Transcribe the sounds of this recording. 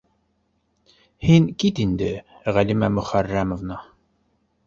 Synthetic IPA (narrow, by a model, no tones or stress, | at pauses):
hinkit̪ind̪ɘʁælʲimæmɵχærːæmovnɑ